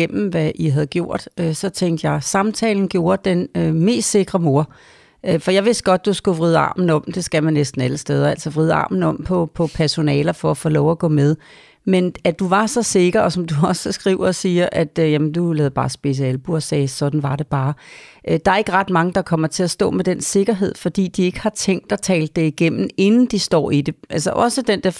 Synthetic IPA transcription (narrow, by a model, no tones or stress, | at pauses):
em̰m̩ʋæʔiɦæð̞̩ˠɡ̥jo̝ɐ̰d̥øsɒ̽t͡sʰeŋ̰d̥əjɑ̈ɪsɑ̈mt͡sʰɛ̰ːln̩ɡ̥jo̝ːɐd̥enøme̝̰ːsd̥se̝ɡ̥ʁɐmo̝ɐ̰ | øfɒ̽jɑ̈ɪʋe̝sd̥̚ɡ̥ɒ̽d̥̚ːusɡ̥uʋʁið̞ˠɑ̰̈ːmn̩ɒ̽m̰d̥e̝sɡ̥æmænːesd̥n̩æləsd̥eːð̞ˠɐæl̰sɐʋʁiðˠɑ̰̈ːmn̩ɒ̽m̰pʰɒ̽pʰɒ̽pʰæɐso̝nɛːlɐfɒ̽æfɔːlɒʊæɡ̥ɔ̰ːmeðˠ | menæd̥uʋɑ̈sɒ̽se̝ɡ̥ɐɒ̽sɒ̽md̥uɒ̽səsɡ̥ʁḭʊɐɒsiːɐʔæd̥jæmənd̥ulɛðˠb̥ɑ̈ːsb̥e̝s̬̩ˠælb̥uɒsɛːsɒ̽d̥n̩ʋɑ̈d̥e̝b̥ɑ̈ːd̥ɑ̈æɐe̝ɡ̥əʁɑ̈d̥mɑ̈ŋəd̥ɑ̈kʰɒ̽m̰ɐt͡sʰe̝æsd̥ɔ̰̽ːmed̥ense̝ɡ̥ɐɦe̝ð̰ˠfɒ̽d̥ḭːd̥ie̝ɡ̥ə̥hɑ̈t͡sʰeŋ̰ɡ̚d̥ɒt͡sʰɛːld̥ːe̝iɡ̥em̰n̩e̝nn̩d̥isd̥ɒ̰ːid̥e̝ʔælsɐʔɒ̽səd̥end̥eɐ